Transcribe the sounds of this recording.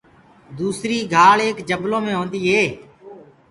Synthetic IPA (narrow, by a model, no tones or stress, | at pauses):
d̪uːsɾiːɡʱaːɭeːkd͡ʒəblõːmẽːɦõːnd̪iːɦeː